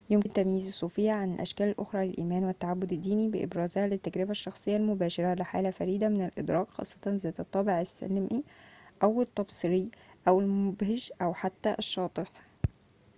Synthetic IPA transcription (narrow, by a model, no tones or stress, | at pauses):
jomnt̪æmjiːzsˤːuːfɪjːaʕanɪlʔæ̰ʃkæːlɪlʔoxɾˤɑːlɪlʔiːmæːnwɪt̪ːaʕabːʊd̪ɪd̪ːiːnibɪʔɪ̰bɾæːzhælɪt̪ːæɡɾɪbæʃːɑxsˤejːɑlmobæːʃɪɾˤælɪħa̰ːlæfæɾiːd̪æmɪnælʔɪd̪ɾˤɑːkxɑ̰ːsˤːɑt̪ˤɑnzæːt̪ɨt̪ˤːɑbeʕɪsːæ̰lmʔiʔæwɪt̪ˤːɑbsˤɨɾijʔæwɪlmʊbhɪʒʔæwħat̪ːæʔʃːɑːt̪ˤɨħ